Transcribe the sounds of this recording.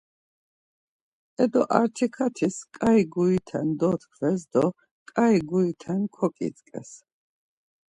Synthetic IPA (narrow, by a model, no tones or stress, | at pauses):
ɛd̪ɔʔaɾt̪ʰikʰat̪ʰiskʼaiɡuit̪ʰɛnd̪ɔt̪kʰvɛsd̪ɔ | kʼaiɡuit̪ʰɛnkʰɔkʼḭt͡sʼkʼɛ̰s